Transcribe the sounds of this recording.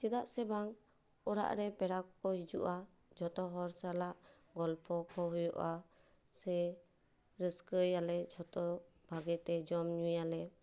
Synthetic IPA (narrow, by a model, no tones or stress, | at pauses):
t͡ʃɛd̪aʔsɛbaŋ | ɔɽa̰ʔɾɛpɛɾakɔkɔɦid͡ʒṵʔa | d͡ʒɔt̪ɔɦɔɾsalaʔ | ɡɔlpʰɔkʰɔɦujɔʔa | sɛ | ɾəskəjalɛd͡ʒʱɔt̪ɔ | b̥ʱaɡɛt̪ɛd͡ʒɔmɲujalɛ